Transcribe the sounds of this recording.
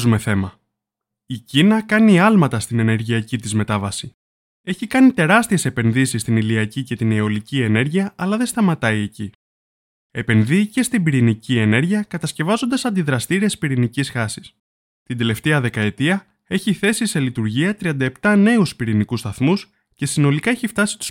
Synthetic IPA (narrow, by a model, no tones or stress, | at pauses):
zume̞θe̞mɐ | icinɐkɐniɐlmɐt̪ɐst̪ine̞ne̞ɾʝiɐcit̪izme̞t̪ɐvɐsi | e̞çikɐnit̪e̞ɾɐst̪ie̞se̞pe̞nðisist̪iniliɐcice̞t̪ineo̞licie̞ne̞ɾʝiɐʔɐlɐðe̞st̪ɐmɐt̪ɐie̞ci | e̞pe̞nðice̞st̪imbiɾinicie̞ne̞ɾʝiɐkɐt̪ɐsce̞vɐzo̞nd̪ɐsɐnd̪iðɾɐst̪iɾiespiɾinicisxɐsi̥s | t̪ind̪e̞le̞ft̪e̞ɐðe̞kɐe̞t̪iɐ | e̞çiθe̞sise̞lit̪uɾʝiɐt̪ɾiɐnd̪ɐe̞pt̪ɐne̞uspiɾinikust̪ɐθmus | ce̞sino̞likɐe̞çift̪ɐsi̥t̪u̥s